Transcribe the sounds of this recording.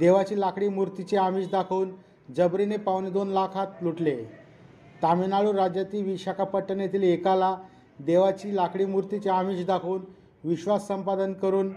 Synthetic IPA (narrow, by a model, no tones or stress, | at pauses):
d̪eʋat͡ɕiːlakɽiːmuɾt̪it͡ɕeamiːɕd̪akʰəun | d͡zəbɾinepawned̪onlakʰat̪luʈle | t̪amenaɭuːnɾad͡ʑjat̪iːʋiɕakʰapəʈːənet̪iːlekala | d̪eʋat͡ɕiːlakɽiːmuɾt̪it͡ɕeamiːɕd̪akʰuuːn | ʋiɕʋasːəmpad̪ənkəɾuːn